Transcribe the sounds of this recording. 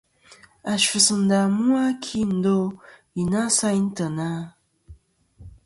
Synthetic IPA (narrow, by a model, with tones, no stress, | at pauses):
a˨ʃu˨sɨ˨n̩˨da˨mu˦a˦kʰi˦n̩˨˦do˦ | i˨na˦sa˦jn̩˦tə˨na˦